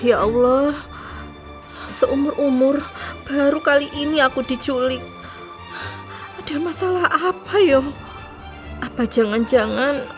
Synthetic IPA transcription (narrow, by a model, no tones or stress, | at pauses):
jaʔwlɔh | səʔumʊrʔumʊrb̥a̤ɾukaliʔiniakud̥i̤t͡ʃulɪk̚ | ad̥a̤masalahapajɔ | ʔapad͡ʒ̥a̤ŋand͡ʒa̤ŋan